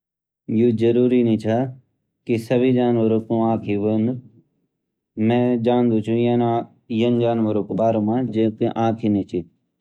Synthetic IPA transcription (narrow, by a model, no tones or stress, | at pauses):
juːd͡ʒəɾuːɾinĩːt͡ʃʰa | kisəbʱiːd͡ʒaːnʋəɾoːkũãːkʰiʋən | mɛ̃ːd͡ʒaːnd̪ũːt͡ʃʰũ | jənd͡ʒaːnʋəɾõːkbaːɾõmãːd͡ʒekiʔãːkʰinĩːt͡ʃʰiː